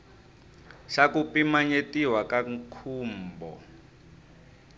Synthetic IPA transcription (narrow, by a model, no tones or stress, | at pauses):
ʃakupimaɲetiwakaŋkʰuːmbɔ̰